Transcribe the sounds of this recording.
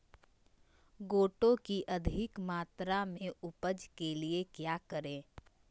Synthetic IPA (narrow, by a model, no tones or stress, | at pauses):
ɡoːʈõkiʔɐd̪ʱɪkmaːt̪ɾamẽʊpəd͡ʒkeliekjaːkəɾẽː